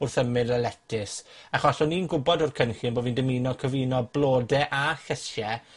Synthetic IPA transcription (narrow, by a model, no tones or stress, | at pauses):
ʊrθəmɨɾalɛtʰɪsaχɔɬɔninɡʊbɔdɔrkʰənɬɪnboːvindəmiːnɔkʰəviːnɔblˠoːdɛʔaɬəsjɛ